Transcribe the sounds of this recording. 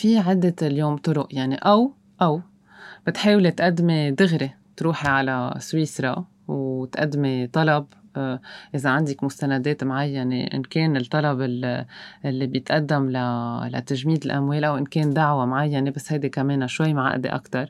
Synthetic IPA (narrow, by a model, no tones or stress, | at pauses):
fiʕɪd̪ːeljoːmt̪ʊɾʊʔjaʕniʔaw | ʔaw | b̥ɪt̪ħeːwlet̪ʔad̪ːmed̪ɪɣɾe | t̪ɾuːħiʕalaswiːsɾˤɑ | wt̪ʔa̰d̪ːmet̪ˤɑlɑb | ʔɪzaʕand̪ɪkmʊst̪anad̪eːt̪mʕajːanḛʔɪ̰nkeːnɪlt̪ˤːɑlɑbɪlʔɪlːibjɪt̪ʔad̪ːamlala̰t̪aʒmiːd̪ɪlʔamweːlʔawʔɪnkeːnd̪aʕwamʕajːanebasːhajd̪ekameːnaʃwajmʕa̰ʔd̪ḛʔa̰kt̪ɑɾˤ